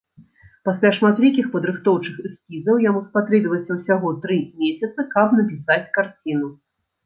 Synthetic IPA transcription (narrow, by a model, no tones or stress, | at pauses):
pasʲlʲaʂmat̪vʲikʲixpɐd̪ɾɨxt̪ɔwt͡ʂɨxɨskʲizɐwjamuspat̪ɾɛbʲvɐsʲɐwsʲaɣɔt̪ɾɨmʲesʲɐt̪sɨkɐpnɐpʲisat͡sʲkart͡sʲin̪u